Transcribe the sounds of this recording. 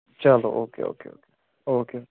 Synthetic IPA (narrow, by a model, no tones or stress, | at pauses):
t͡ʃalo̰ʔoːkḛo̰ːkḛo̰ːke̥ | oke